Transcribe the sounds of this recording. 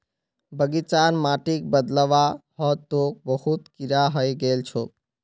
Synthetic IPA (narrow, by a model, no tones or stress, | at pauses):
bəɡit͡ʃanmaʈik̚bəd̪ləʋaɦɔt̪ok̚bəhut̪kiɾaɦəjɡelt͡ʃʰo